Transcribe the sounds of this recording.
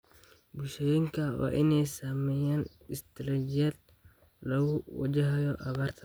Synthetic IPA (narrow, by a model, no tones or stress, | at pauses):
bʊlʃɛjɪŋkʰɐwɑ̰ːʔɪnɛjsamɛjaːn | ɪst̪ʰɾɛd͡ʒɪjɐːd̪ | lɐɣʊwɐ̰d͡ʒɐɦɐjɔʔɐβaːrt̪ʰɐ̥